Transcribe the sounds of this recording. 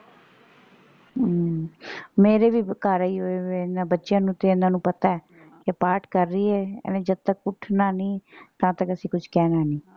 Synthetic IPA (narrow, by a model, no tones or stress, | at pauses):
meːɾeːʋiːkaːɾaːiːɦoːeeːnãːbətːʃjãːnũːt̪eːɪnãːnũːpət̪aːɛː | kɪpaːɾʈkəɾːiːɛ̰ːnẽːd͡ʒəd̪̚t̪əkʊʈʰnaːniːt̪ãːt̪əkəsĩːkʊt͡ʃʰkɛːnaːnĩː